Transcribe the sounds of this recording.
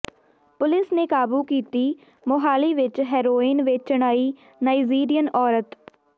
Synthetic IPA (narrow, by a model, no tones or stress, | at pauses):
pʊlɪsneːkaːbuːkiːt̪iː | moɦaːliːʋɪt͡ʃɦɛːɾoːiːnʋɪt͡ʃt͡ʃəɽ̃aːiː | naːid͡ʒiːɾijənɔːɾət̪